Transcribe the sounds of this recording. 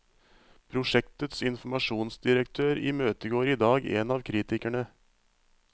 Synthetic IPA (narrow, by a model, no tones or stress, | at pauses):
pʰɾʊʂɛkt̪ət̪sɪnfɔmɑʂuːnsd̪ɪɾəkt̪ʰøːɾḭːmøːt̪əɡoːɾiːd̪ɑːɡḛːnɑːʋkʰɾiːt̪ɪkæɳə